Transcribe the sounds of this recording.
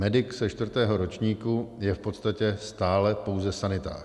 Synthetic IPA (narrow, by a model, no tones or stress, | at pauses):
mɛdɪksɛʃt̪vr̩t̪ɛːɦo̞ɾo̞t͡ʃɲiːkujɛfpo̞t̪st̪acɛst̪aːlɛpo̞wzɛsanɪt̪a̰ː